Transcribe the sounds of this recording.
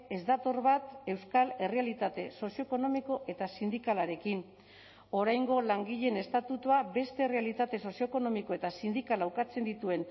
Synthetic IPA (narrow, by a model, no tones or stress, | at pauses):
e̞zd̪at̪o̞ɾβat̪e̞wskale̞realit̪at̪e̞so̞sio̞eko̞no̞miko̞ʔe̞t̪asind̪ikalaɾe̞kin | o̞ɾajŋɡo̞laŋɡiʎe̞ne̞st̪at̪ut̪uabe̞st̪e̞re̞alit̪at̪e̞so̞sio̞eko̞no̞miko̞e̞t̪asind̪ikalawkat͡se̞nd̪it̪ue̞n